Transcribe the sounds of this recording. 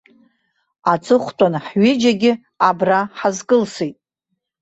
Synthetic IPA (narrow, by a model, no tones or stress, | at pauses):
at͡sʼɨχʷtʼanħɥɪd͡ʒaɡʲɪ | abraħazkʼɨlsejtʼ